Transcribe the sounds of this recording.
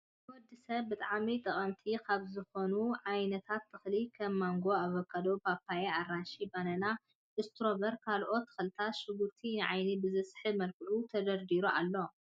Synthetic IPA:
wɔd̪ɨsɐβbɨt̪ʼaʕmit̪ʼɐχʼɐmt̪ʰikʰaβzɨxo̞nuʕajnɐt̪ʰat̪ːɨxlikʰɐmːaŋɡo̞aβɐkʰːad̪obʰapʰːajearaʃibanɐna | ʔɨst̪ʰɾo̞bɐɾkʰalʔo̞t̪ːɨ̥xɨlɨt̪ʰat̪ʃɨɡuɾt̪ʰinɨʕajnibɨzɐsħɨmɐlkʰɨʔut̪ʰɐd̪ɐɾd̪iɾuʔalːo̞

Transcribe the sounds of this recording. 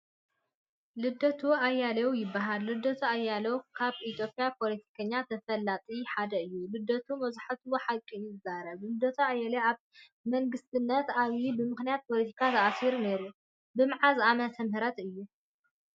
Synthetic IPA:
lɨd̪ːɐt̪ʰuajːalɐwjɪbːaɦalːɨd̪ːɐt̪ʰuajːalɐwkʰaβʔit̪ʰjo̞pʼjapʰo̞lɐt̪ʰi̥kʰɐɲːat̪ʰɐfɐlːat̪ʼiħad̪ɐɨjːulɨd̪ːɐt̪ʰumɐzaħat̪ɨwoħakʼːiɪzaɾɐβlɨd̪ɐt̪ʰuajːaleaβ | mɐŋɡɨst̪ʰɨnːɐt̪aβjibɨmɨxnijat̪̚pʰo̞lɐt̪ʰi̥kʰat̪ʰɐʔasiɾuneɾu | bɨmʕazamɐt̪ʰɐmhɨɾɐt̪ɨjːu

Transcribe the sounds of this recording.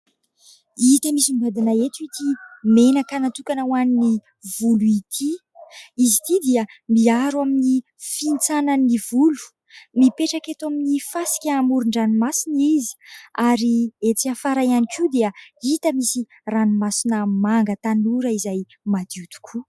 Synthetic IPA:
it̪əmisimbad̪inaet̪uit̪ʰimenakanat̪ukanawanini | vuluit̪ʰi | izit̪id̪iəmiaɾwamini | fint͡sananivulu̥ | mipeʈ͡ʂaket̪uaminifasi̥kʲaːmuɾuɳɖ͡ʐanimasinizi̥aɾiet͡siafaɾajanikʰud̪eəit̪əmisi | ranimasinəmaŋɡət̪anuɾəizaj | mad̪iut̪u̥kʰu

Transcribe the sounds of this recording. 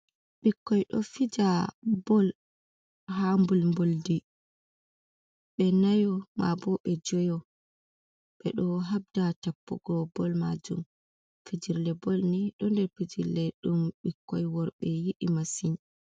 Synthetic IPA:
ɓikːɔjɗɔ̰fid͡ʒabɔl | hambulmboldi | ɓɛnajɔma̰bɔɓɛd͡ʒɔjɔ | ɓ̥ɛɗɔɦab̚datapːɔ̰ɡɔbɔlma̰d͡ʒṵm | fid͡ʒiɾlɛbolniɗɔndɛɾfid͡ʒiɾlɛɗumɓikːɔjwɔɾɓɛjiɗimasin

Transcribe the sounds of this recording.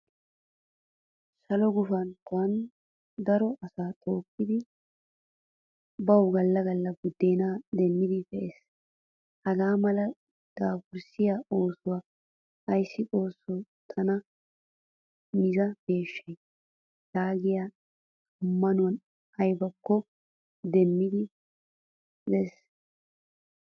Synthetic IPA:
sɐlɔɡʊfɐnkwɐn | d̪ɐɾɔʔɐsaːt̪ʼoːkːɪd̪ɪ | bɐwɡɐlːɐɡɐlːɐɡʊd̪ːeːnad̪ɛnːɪd̪ɪfɛʔes | hɐɡaːmɐlɐ | d̪̥aːfʊɾsɪjao̞ːsʊwa | ɐjsːɪʔʼo̞ːsːɔt̪ʰɐnɐ | mɪzɐb̥e̞ːʃːɐj | daːɡɪjaː | ʊmːɐnʊwɐn | ɐjbɐkːɔ | d̪ɛmːɪd̪ɪ | bɛs

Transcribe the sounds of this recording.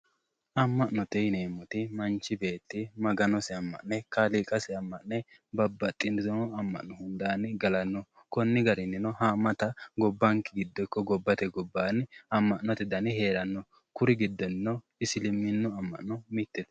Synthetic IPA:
ʔɐmːɐʔnɔt̪ɛjneːmːɔt̪ɪmɐnt͡ʃːɪbeːt̪ːɪmɐɡɐnɔsɛɐmːɐ̰ʔnɛkɐliːkʼɐsɛɐmːɐʔnɛ | bɐbːɐt̪ʼːɪnd̪ɪt̪ɔnɔɐmːɐ̰ʔnːɔhʊnd̪aːnɪɡɐlɐnːɔ | kɔnːɪɡɐɾɪnːɪnɔhaːmɐt̪ɐɡɔbːɐŋkɪɡɪd̪ːɔkːɔɡɔbːɐt̪ɛɡɔbːaːnɐmːɐʔnːɔt̪ɪd̪ɐnɪhe̞ːɾɐnːɔ | kʊɾɪɡɪd̪ːɔnːɔ | ɪsɪlɪmːɪnːɔɐmːɐ̰ʔnɔmɪt̪ːɛd̪

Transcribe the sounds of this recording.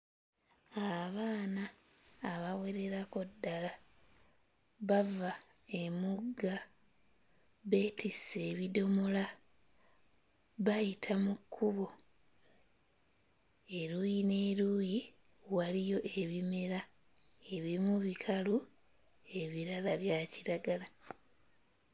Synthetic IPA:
aβaːnaː | βawe̞ɾe̞ɾako̞dːala | βava | e̞muɡːa | βe̞ːtise̞βido̞mola | βajitʰamukʰːuβo̞ | e̞ɾujine̞ːɾuji | walijo̞ʔe̞βime̞ɾa | e̞βimuβikʰalu | e̞βiɾalaβjaːciɾaɡala

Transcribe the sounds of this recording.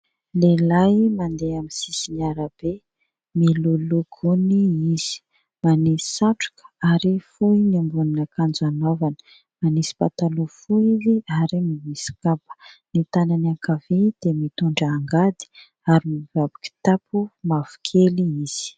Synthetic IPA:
lelajmand̪eamisisiɲaɾəb̥e | miluluɡuniiz̥i̥ | manisi̥saʈ͡ʂu̥kə̥aɾifujnambuninəkand͡zanovanə̥ | manisi̥pat̪alufuiziaɾimimisi̥kapə̥nit̪ananakaved̪̥emit̪uɳɖ͡ʐəːŋɡad̪i̥ | aɾimiv̥abiki̥t̪apumav̥u̥kʰeliiz̥i̥

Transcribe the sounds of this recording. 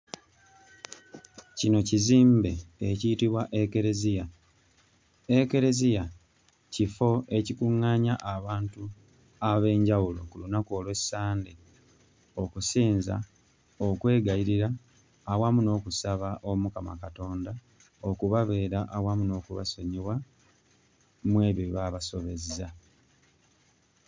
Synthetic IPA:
cino̞ciziːmbe̞ːciitiβwaʔeke̞ɾezija | eke̞ɾe̞zija | cifo̞e̞cikuŋːaːɲaʔːβaːntu | aβe̞ːɲɟawulo̞̰kulunako̞ːlwe̞saːndi | o̞kusiːnza̰ | okwe̞ːɡajiɾiɾaː | wamuno̞ːkusaβaʔo̞mukama̰kato̞ːnda | o̞kuβaβe̞ːɾaʔawamuno̞ːkuβa̰soɲiwa | mwe̞ːβiβaβaso̞βe̞zza

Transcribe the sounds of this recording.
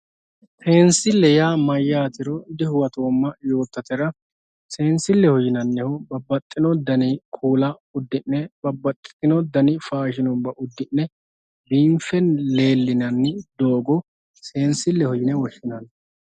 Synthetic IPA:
se̞ːnsɪlːɛjaːmɐjːaːt̪ɪɾɔɪd̪ɪhʊwɐt̪o̞ːmːɐjo̞ːt̪ːɐt̪ɛɾɐ | se̞ːnsɪlːɛhɔjɪnɐnːɛhɔbɐbːɐt̪ʼːɪnɔd̪ɐnɪkʰuːlɐ | ʊd̪ːɪnːɛbɐbːɐt̪ʼːɪ̥t̪ɪnɔd̪ɐnɪfaːʃɪnɔmbɐʔʊd̪ːɪnːɛ | biːmfɛnle̞ːlːɪnɐnːɪd̪o̞ːɡɔ | se̞ːnsɪlːɛhɔjɪnɛwɔʃːɪnɐn

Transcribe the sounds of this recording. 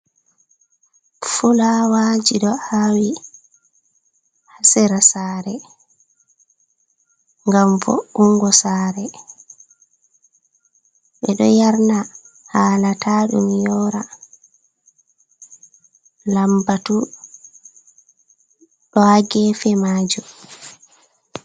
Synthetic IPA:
fulawaːd͡ʒiɗɔhaːwi | hasɛɾasaːɾɛ | ŋɡamvɔ̰uŋɡɔsaːɾɛ | ɓɛɗɔ̰jaɾna | haːlatʰaːɗṵmijɔːɾa | lambatu | ɗɔhaɡɛfɛmaːd͡ʒu

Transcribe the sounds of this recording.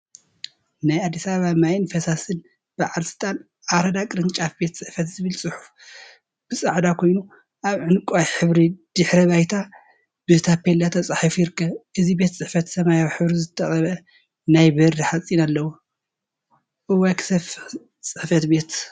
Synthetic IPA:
najad̪ːisaβaβamajɪnfɐsasɨn | b̥aʕalsɨ̥t̪ʼan | ʔaɾɐd̪akʼɨɾɨnt͡ʃʼafbe̞t̪t͡sʼɨħfɐt̪zɨβɨlsʼɨħu̥f | b̥ɨsʼaʕd̪akʰo̞jnu | ʔaβʕɨnkʼajħɨβɾid̪̥ɨħɾɐβajt̪ʰa | bɨt̪ʰapːelːat̪ʰɐt͡sʼaħifjɪɾɨkːɐβʔɨzibe̞t̪t͡sʼɨħfɐt̪sɐmajawħɨβɾizɨt̪ʰɐχʼɐβɐ | najbɨhɾiħat͡sʼinalːɐwu | ʔɨwakʰsɐf | t͡sʼɨħfɐt̪be̞t̪

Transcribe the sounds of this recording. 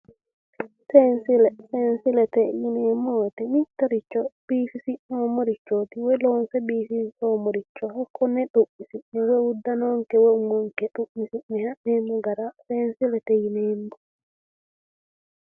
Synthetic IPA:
sɛnsilɛsɛnsilɛtejinɛmɔtɛnitaɾit͡ʃːɔb̥iːfisiʔɔmoɾit͡ʃːotiwɛlɔnsɛbiːfinɔmoɾit͡ʃːɔhakːɔnɛɗuʔːisiɛwɛwudanɔŋkɛweumɔŋkɛɗuʔːisimihaːimɔɡaɾasɛnsilɛtejinɛndu

